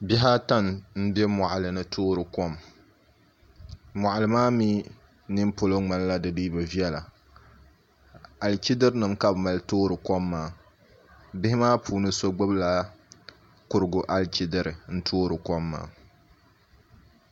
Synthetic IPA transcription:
bi˦ɦa˦ta˦nn̩˦be˦ma˨ʔlɨ˨nɨ˦tʰoː˦ɾɨ˨kɔ˦m | ma˨ʔa˨lɨ˨maː˦miː˦ | nɨ˦m˦po˨lo˦ŋ͡ma˨lla˦dɨ˨li˦bɨ˨vi˦ɛ˦la˨ | a˨lt͡ʃi˦dɨ˦ɾnɨ˨mka˦˨bma˨ltoː˦ɾɨ˨kɔ˦mːaː˨˦ | bɪ˦hɪ˦maː˦pʰuː˨nɨ˦so˦ɡ͡bɨ˦bla˦ | kʊ˨ɾɨ˨ɡʊ˨ʔa˦lt͡ʃi˦dɨ˦ɾɨ˨n̩˦tʰoː˦ɾɨ˨kɔ˦mːa̰ː˨˦˨

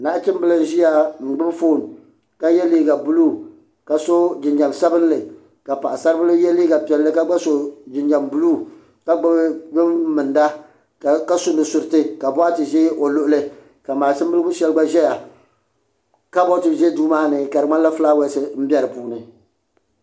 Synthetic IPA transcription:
na˦ʔt͡ʃɪ˦m˦bɨ˦lɨ˦n˦ʒi˦ja˨ŋ̩˨ɡ͡bɨ˦bfoː˦˨n˨ | ka˦jɛ˦liː˦ɡa˨bu˦lu˦ | ka˨so˦d͡ʒɪ˨nɲa˨msa˦bɨ˦n˦lɨ˨ | ka˨pa˨ʔa˨sa˦ɾɨ˦bɨ˦lɨ˦jɛ˦liː˦ɡa˨pɛ˨lːɨ˦ka˦ɡ͡ba˦so˦d͡ʒɪ˨nɲa˨mbu˦luː˦ | ka˦ɡ͡bɨ˦bbɨ˦mmɨ˨nda˦ | a˨ka˦so˦nɨ˨sʊ˨ɾɨ˨tɨ˦ka˨bɔ˦a˦tɨ˨ʒɛ˦o˨lʊ˦ʔʊ˦lɨ˦ | ka˨maː˨t͡ʃɪ˦mblɨ˦bʊ˦ʃɛ˦lɨ˦ɡ͡ba˦ʒɛ˦ja˨ | ka˦bɔ˦tɨ˨ʒɛ˦duː˦maː˦nɨ˨ka˨ɾɨ˨ŋa˦n˦a˦fɨ˦laː˦wɛ˦sɨ˦m̩˦bʲi˦ɛ˦ɾɨ˨puː˦nɨ˨

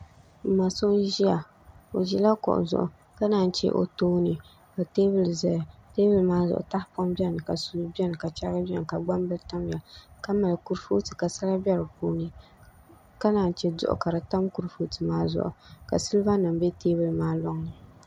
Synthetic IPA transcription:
m̩˨ma˨so˦n˦ʒi˦a˨ | o˨ʒi˦la˦kʊ̰˨ʔʊ̰˨zʊ̰˨ʔʊ̰˨ | ka˦naː˦n˦t͡ʃɛ̰˦ʔo̰˨toː˦nɨ˨ | ka˨teː˦bɨ˨lzɛ˨teː˦bɨ˨lmaː˦zʊ̰˨ʔʊ̰˨ta˦hpɔ˦mbi˦ɛ˦nɨ˨ka˨su˦bi˦ɛ˦nɨ˨ka˨t͡ʃɛ˦ɡɨ˦bi˦ɛ˦n˨ka˨ɡ͡ba˦mbɨ˦lta˦m˦ja˨ka˦ma˨lɨ˨ku˦ɾfo˦tɨ˨ka˨sa˦la˦bɛ˦ɾɨ˨po˦nɨ˦ | ka˦naː˨n˨˦t͡ʃɛ˦dʊ̰˦ʔʊ̰˨ka˨ɾɨ˨ta˦mku˦ɾfo˦tɨ˨maː˦zʊ̰˨ʔʊ̰˨ka̰˨sɨ˦lba˦nɨ˨m˦bɛ˦teː˦bɨ˨lmaː˦lɔ˦ŋɨ˨

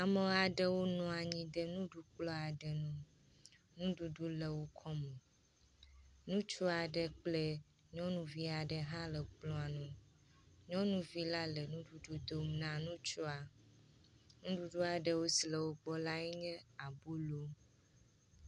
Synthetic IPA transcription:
a˨me˦a˨ɖə˦wo˦nɔ̃˨a˨ɲĩ˦də˦nũ˦ɖu˦k͡plɔ˦a˨ɖə˨nũ˦ | nũ˦ɖu˨ɖu˦le˨wo˦kʰɔ˦mẽ˨ | nũ˦t͡ʃu˦a˨ɖə˦k͡ple˦ | ɲɔ̃˦nũ˦vi˦a˨ɖə˦ɦã˦lə˨k͡plɔ̃˦a˨nũ˦ | ɲɔ̃˦nũ˦vi˦la˦le˨nũ˦ɖu˨ɖu˦d̪o˨mnã˦nũ˦t͡ʃu˦a˨ | nũ˦ɖu˦ɖu˦a˨ɖə˨wo˦si˨le˨wo˦ɡ͡bɔ˦la˦ɛ˦ɲɛ̃˦a˨bu˦lo˦

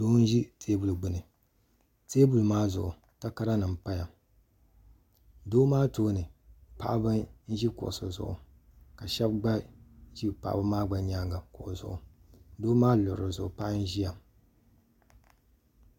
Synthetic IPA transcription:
doː˦n̩˦ʒi˦tʰeː˦bu˨lɡ͡bɨ˨nɨ˨ | teː˦bu˨lmaː˦zʊ̰˨ʔʊ˨ | ta˦ka˦ɾa˦nɨ˨m˨pa˦ja˨ | doː˦maː˦toː˦nɨ˨pa̰˦ʔbɨ˦n̩˦ʒi˦kʊ̰˨ʔsɨ˨zʊ̰˨ʔʊ̰˨ | ka˨ʃɛ˦bɡ͡ba˦ʒi˦pa̰˨ʔba˦maː˦ɡ͡ba˨ɲaː˦ŋɡa˨ko˨ʔzʊ̰˨ʔʊ˨doː˦maː˦lʊ˨ɾɾɨ˨zʊ˨ʊ˨pa˦ʔn̩˦ʒi˦ja˨

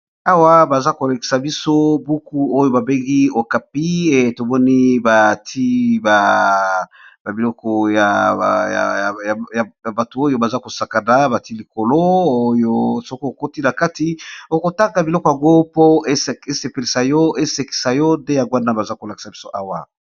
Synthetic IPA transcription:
a˦wa˦ba˨za˦ko˨la˨ki̥˨sa˨bi˦so˦bu˦ku˦o˦jo˦ba˨be˦ŋɡi˦o˨ka˨pi˦˨to˨mɔ˦ni˦ba˨ti˦ba˨ | ba˨bi˨lɔ˦kɔ˨ja̰˨j̰jja˨ja˨ba˨tu˨o˦jo˦ba˨za˦ko˨sa˨ka˨na˨ba˨ti˦li˨ko˨lo˦o˦jo˦so˦ko˦o˨ko˦ti˦na˨ka˦ti˦o˨ko˨ta˦ŋɡa˨bi˨lɔ˦kɔ˨ja˨ŋɡo˦po˦e˦˨e˦se˨pe˨li˨sa˨jɔ˦e˦se˨ki̥˨sa˨jɔ˦nde˦ja˨ɡwa˦na˦ba˨za˦ko˨la˨ki̥˨sa˨bi˦so˦ʔa˦wa˨

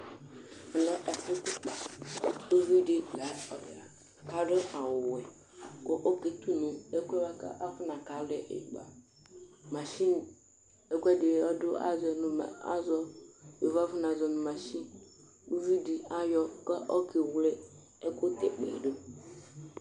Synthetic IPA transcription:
a˨nɔ˦ʔɛ˨fu˦ku˦k͡pa˨ | o˦vi˦di˦ɡa˨˦ɔ˨ba˨ | ka˨ɖe˦ʔa˨wʊ˨wɛ˨ | ko˦ʔo˦ke˨t̪u˦nũ˨e˦kʷɛ˦wa˦ka̰˦ʔa˦fʊ˦nã˨ka˨˦lɛ˨ʔḛ˨ɡ͡ba̰˨ | mã˨ʃi˦n˨ | e˦ku˦ɛ˦de˨ɔ˦dʊ˦ʔa̰˦zɔ˨nũ˨m̰˨a̰˦zɔ˦e˨va˦fʊ˦na˨zɔ˨nũ˨mã˨ʃi˦ | o˦vi˦di˨a˦jɔ˦kɛ˦ʔɔ˦ke˨wle˦ | e˦ko˦t̪ḛ˨k͡pḛ˨ɖo˦

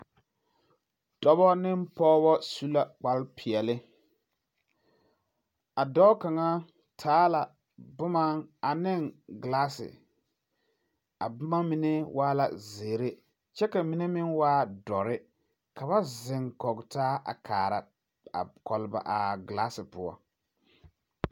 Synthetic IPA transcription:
d̥ɔ˦bɔ˦nɪ˦m˦pɔː˦bɔ˦su˦la˦k͡pa˦lpʰɪ˨ɛ˨lɪ˦ | a˨dɔ˦ka˨ŋa˦ | tʰaː˦la˨ | bʊ˦ma˦ŋa˨nɪ˦ŋɡlaː˦sɪ̰˨ | a̰˨bʊ˦ma˦mi˨ne˦wʔaː˦la̰˨zeː˨ɾe˦ | t͡ʃɛ˦ka˨mi˨˦ne˦mɪ˦nwaː˦dɔ˨ɾɪ˦ | ka˨βa˦zɪ˨ŋkɔ˨ɡtaː˦ʔa̰˨kʰaː˨ɾa̰˨ | a̰˨kɔ˨lɪ˦ba̰˨ʔa˨ɡlaː˦sɪ˨pʊ˦ɔ̰˦

